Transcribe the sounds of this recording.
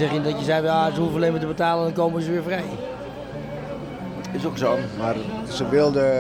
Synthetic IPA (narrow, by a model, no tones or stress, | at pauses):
ɛχjəndɔtjəsɛjʋasəhufəlemətəbətaːləndɔnkoːməəsəʋɪːfrɛj | ɪsoksonmar | səʋɪlˠdə